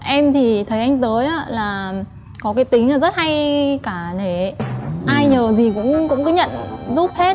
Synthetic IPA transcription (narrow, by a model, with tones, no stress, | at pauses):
ʔɛ˧mt̪ʰi˨˩t̪ʰə˨˦jʔa˧jŋ̟t̪əː˨˦jʔaː˨˦laː˨˩ | kɔ˨˦kaː˨˦jt̪ï˨˦ŋ̟laː˨˩zə˦˥t̚ha˧jkaː˧˩ne˧˩ʔaː˧jɲəː˨˩zi˨˩kʊ̰˧˥ŋ͡mkʊ̰˧˥ŋ͡mkɨ˨˦ɲə̰˧˨nzu˦˥p̚he˦˥t̚